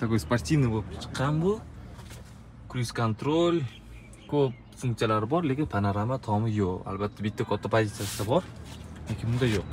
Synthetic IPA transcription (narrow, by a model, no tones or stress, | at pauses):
t̪ʰakojspaɾt̪ʲinɪbolɪp̚kʲt͡ʃʰɨ̥qʰːɑnbʊ | kʰʊɾiskʰont̪ɾolʲ | kʰɵp̚fuŋkt̪ɨjalaɾɪbɒɾle̞kʲɪnpʰanaɾamat̪ʰɒmɪjoqa̰lbat̪ʰːabɪt̪ʰːakʰɒt̪ʰːapʰozʲit̪sijasɪd̪abɒɾekʲʰɪmʊnd̪ajoq̚